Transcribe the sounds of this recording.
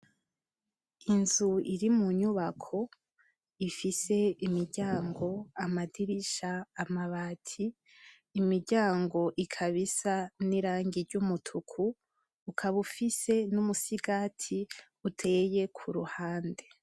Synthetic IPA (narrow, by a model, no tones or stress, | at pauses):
inzuiɾimuɲuβakʰo̞ | ifise̞imiɾɟaːŋɡo̞amadiɾiʃaːmaβaːtʰiː | miɾɟaːŋɡo̞ʔikʰaβisaniɾaːŋɡiɾɟumutʰukʰuː | kʰaβufise̞numusiɡaːtʰi | utʰe̞ːje̞kʰuɾuhaːnde̞